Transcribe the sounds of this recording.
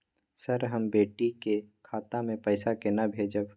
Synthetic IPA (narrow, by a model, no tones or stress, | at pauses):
sɐɾɦɐmbeːʈikekʰaːt̪amẽpəɪsakenabʱeːd͡ʒəb